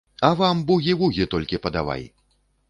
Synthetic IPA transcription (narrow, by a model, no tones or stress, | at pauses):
ɐvambuɣʲivuɣʲit̪ɔlʲkʲipɐd̪a̰va̰j